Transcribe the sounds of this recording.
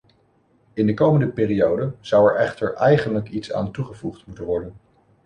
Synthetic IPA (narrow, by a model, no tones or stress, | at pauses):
ɪndəkowməndəpɪːriowdənz̥ʌwɛɹɛχtəɹʔɛjχənləkitsa̰ːntuχəvuχtmutənʋɔɹdən